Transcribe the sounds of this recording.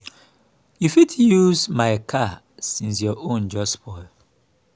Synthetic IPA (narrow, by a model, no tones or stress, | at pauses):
jufitjuzmaɪkʰa | sĩns̬jɔʔõnd͡ʒɔspɔɪl